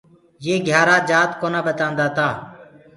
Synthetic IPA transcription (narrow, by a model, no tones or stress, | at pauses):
jeːɡʱjaːɾaːd͡ʒaːt̪koːnãːbət̪ãːnd̪aːt̪aː